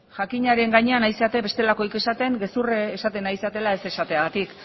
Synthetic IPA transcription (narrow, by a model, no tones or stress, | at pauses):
ʝakiɲaɾe̞ŋɡaɲe̞anajseat̪e̞βe̞st̪e̞lako̞ike̞sat̪e̞ŋɡe̞sureːsat̪e̞najse̞at̪e̞lae̞se̞sat̪eaɣat̪ik